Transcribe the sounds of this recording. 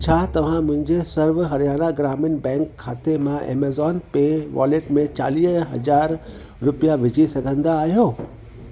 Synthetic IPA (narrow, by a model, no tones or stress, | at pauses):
t͡ɕʰaːt̪ɐʋ̤ãmʊ̃ɦɪ̃ɲd͡ʑesɐɾʋɦɐɾijaːnaɡɾaːmɪnbɛ̃ːŋkʰːaːt̪emãʔḛːmeːzɔːnpeʋa̰ːleʈmẽt͡ɕa̰ːliːɦɐ̰zaːɾ | ɾʊpijaʋɪd͡ʑisɐɡʱə̃nd̪aːɦijoː